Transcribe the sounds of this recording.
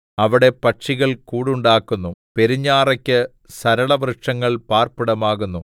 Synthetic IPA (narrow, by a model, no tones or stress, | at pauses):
ɐʋiɽe̞pɐʈʂiɣɐɭkuːɽuɳɖaːkːunːupe̞ɾiɲːaːrɐkʲːɨ | sɐɾɐɭɐʋrɨʂɐŋːɐɭpaːrpiɽɐmaːɣunːu